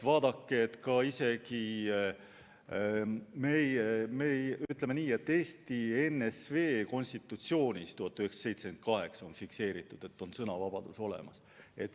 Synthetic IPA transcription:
vɑːd̪̥ɑkːeːt̪ːkɑise̞ki | mejmejyt̪ːˑlemeniːe̞t̪ːe̞ːst̪ienːesve̞ːko̞nʲst̪it̪ːˑut̪sio̞ːnʲist̪uhɑt̪ːˑyheksɑ̥se̞jt̪seken̚kɑɦe̞ksɑo̞nfikse̞ːɾit̪ːˑud̪̥e̞t̪ːo̞nsɤnɑvɑb̥ɑd̪̥uso̞le̞̰mɑs | e̞t̪ːˑ

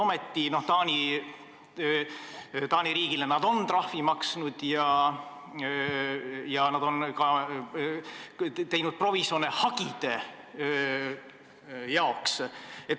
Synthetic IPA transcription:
ome̞t̪ˑːino̞ht̪ɑːnʲi | t̪ɑːnʲiɾiːɡ̥ile̞nɑd̪o̞nt̪rɑhvimɑksnud̪̥jɑ | jɑnɑd̪o̞nkɑ | t̪e̞jnud̪̥̚pro̞viso̞ːnehɑɡid̪̥e̞ | jɑokse̞t̪

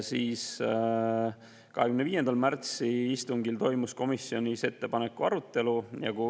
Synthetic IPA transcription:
siːs | kɑɦekymneiːje̞nd̪̥ɑlmært̪siist̪uŋɡilt̪o̞jmusko̞misio̞nʲise̞t̪ːe̞pɑne̞kːˑuɑ̰ɾut̪ːˑe̞lujɑ̰ku

